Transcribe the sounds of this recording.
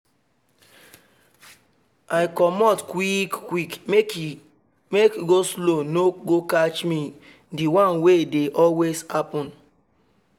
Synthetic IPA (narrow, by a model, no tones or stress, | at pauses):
ajkɔmɔtkwikkwikm | mekiɡoslonoɡokat͡ʃmi | diwãnwedeʔɔlweshapɔ̃n